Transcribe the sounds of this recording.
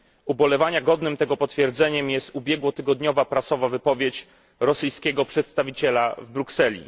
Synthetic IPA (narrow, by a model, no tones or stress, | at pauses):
ubɔlɛvaɲaɡɔd̪nɘmt̪ɛɡɔpɔt̪fʲjɛɾd̪zɛɲɛmjɛst̪ubʲjɛɡwɔt̪ɘɡɔd̪ɲɔvapɾasɔvavɘpɔvʲjet͡ɕ | ɾɔsɘjskʲɛɡɔpʂɛt̪st̪avʲit͡ɕɛlavbɾuksɛlʲḭ